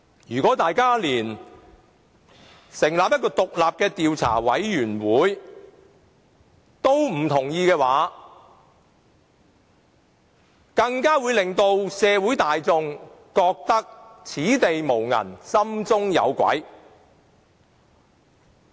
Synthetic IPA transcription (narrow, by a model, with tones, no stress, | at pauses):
jyː˨˩kɔː˨˥t̪aː˨jkaː˥liː˨˩n | sɪ˨˩ŋlaː˨p̚jɐ˥t̚k̬ːɔː˧t̪ʊ˨k̚laː˨p̚kɛː˧t̪iː˨wt͡sʰa̰ː˨˩wɐ˨˥jjyː˨˩nwuː˨˥j | t̪o˥wm̩˨˩t̪ʰʊ˨˩ŋjiː˧kɛː˧waː˨˥ | kɐ˧ŋkaː˥wuː˨˧jlɪ˨ŋt̪o˧wsɛː˨˧wuː˨˥jt̪aː˨jt͡sʊ˧ŋkɔː˧k̚t̪ɐ˥k̚t͡sʰiː˨˥t̪e˨jmo˨˩wŋɐ̰˨˩nsɐ˥mt͡sʊ˥ŋjɐ̰˨˧wkʷɐ̰˨˥j